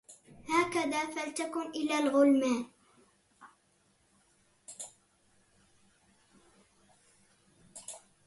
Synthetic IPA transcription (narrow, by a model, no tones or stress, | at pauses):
haːkaðaːfalt̪akʊnʔɪlaːlɣʊlmaːn